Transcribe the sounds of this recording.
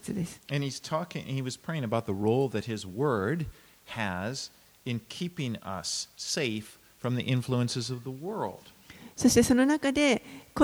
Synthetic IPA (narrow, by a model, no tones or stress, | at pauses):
t͡sɨd̪esɨ̥ɨ̃niz̥tʰɔkɪ̰̃ŋ̰̃niwʌz̥pʰɹ̥eɪɪ̃ŋəbaʊt̪̚ðəɹoʊlˠðɨt̚hɪzwɜ˞d | ɨz | ɨ̃nkʰipɪ̃ŋʌ̰sːeɪfː | ɹʌ̃mðḭʔɪ̃ɱfluɨ̃nsɨzʌvðəwɜ˞lˠd̥ | so̞ɕt̪e̞so̞nonakad̪e̞ko